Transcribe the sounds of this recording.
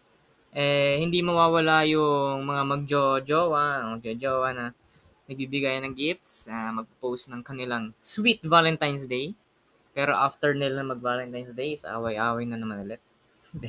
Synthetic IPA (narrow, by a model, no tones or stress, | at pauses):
ʔɛhɪnd̪imɐwaːwɐlajʊŋmɐŋamɐɡ̚d͡ʒod͡ʒowɐmɐɡ̚d͡ʒod͡ʒoːwɐnɐ | nɐɡ̚bibɪɡajnɐŋɡip̚snɐmɐɡ̚pɐpowsnɐŋkɐnɪlaŋswit̪̚valɛnt̪ajnsd̪ej | pɛːɾo̞ʔaft̪ɛɹnɪlaŋmɐɡ̚valɛnt̪ajnsd̪ejsʔa̰ːwɐjʔaːwɐjnɐnɐmɐnɐlɛt̪̚